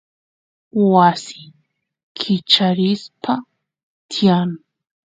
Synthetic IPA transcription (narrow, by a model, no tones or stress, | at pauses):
wasɪ | kʰɪt͡ʃaɾɪspʰa | t̪ɪjaŋ